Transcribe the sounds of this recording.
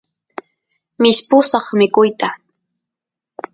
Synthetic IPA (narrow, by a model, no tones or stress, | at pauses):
mɪspʊsɑχmɪkʊjt̪a